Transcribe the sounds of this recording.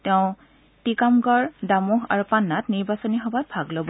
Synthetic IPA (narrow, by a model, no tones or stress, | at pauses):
tɛʊ̃ | tikamɡɔɹdamuɦa̰ɹupanːatniɹbasɔniɦɔbat̚bʱaɡlobɔ